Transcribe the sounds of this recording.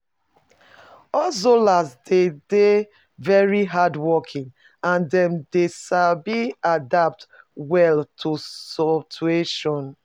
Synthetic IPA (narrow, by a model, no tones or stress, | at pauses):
ɔlsolasdede | vɛɹiɦadwɔkʰĩŋ | ãndɛ̃mdeʃalbiadap̚twɛltʰusɔt͡ʃueʃɔ̃n